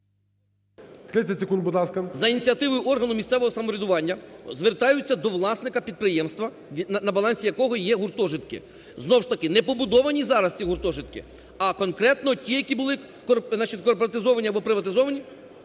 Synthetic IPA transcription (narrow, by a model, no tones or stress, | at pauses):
t̪ɾɪsʲɐsʲekund̪̚bʊd̪ɑskɐnzɐinʲit͡sʲiɐt̪ɪʋʊjʊʔɔrɦɐnʊmʲissɛʋɔɦɔsɐmɔɾʲɪd̪ʊʋɑnʲːɐzʋert̪ɑjʊt͡sʲːɐd̪ɔʋlˠɑsnɪkɐpʲid̪̚pɾɪjɛmst̪ʋɐ | nɐbɐlˠɑnʲsʲijɐkɔɦɔjɛɦʊrt̪ɔʒɪt̪kɪ̰ | znɔwʃt̪ɐkɪnɛpɔbʊd̪ɔʋɐnʲizɑɾɐst͡sʲiɦʊrt̪ɔʒɪt̪kɪ̰ | ɐkɔnkɾɛt̪nɔtʲijɐkʲibʊlˠɪ | nɐt͡ʃit̪ʲkɔrpɔɾɐt̪ɪzɔʋɐnʲiɐbɔpɾɪʋɐt̪ɪzɔʋɐnʲi